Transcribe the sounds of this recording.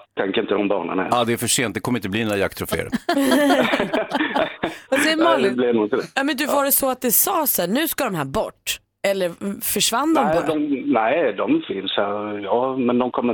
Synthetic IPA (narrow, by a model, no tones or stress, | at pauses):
t̪ʰɛŋkəɾɪnt̪əd̪ɔmbɑ̰ːɳa̰naɛ̰ɑd̪ɛæɾfœʂeːn̚d̪ɛkʰɔmːɾɪnt̪əbliːnoːɾajak̚t̪ʰɾɔfḛːɾ̰ | ɔdɛmablenuːɡɔt̪ɪd̪ɛjɑmɛnd̪ɵvɑɾɛsɔat̪̚d̪ɛsɑːsæːɳʉ̟ːskad̪ɔmhæːɾbɔʈː | ɛlːəɾfœʂvanːd̪ɔmɔɔmnæɪd̪ɔmfɪnshæɾjɑːmɛnd̪ɔmkʰɔmːə